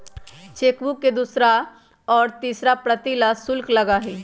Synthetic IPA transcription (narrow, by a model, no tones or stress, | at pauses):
t͡ʃeːkʋũked̪ʊsɾa | ɔːɾt̪iːsɾapɾət̪ilasʊlklɐɡaɦiː